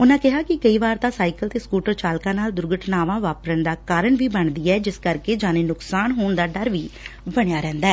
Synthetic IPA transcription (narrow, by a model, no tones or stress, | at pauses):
ʊnãːkɪɦaːkɪkəiːʋaːɾt̪aːsaːɪkəlt̪eːskuːʈəɾt͡ʃaːlkãːnaːld̪ʊɾɡəʈʰnaːʋãːʋaːpɾənd̪aːkaːɾəɳʋiːbəɳd̪iːɛːd͡ʒɪskəɾkeːd͡ʒaːneːnʊksaːnɦoːɳd̪aːɖəɾʋiːbəɽ̃ejaːɾɛ̃ːnd̪aɛː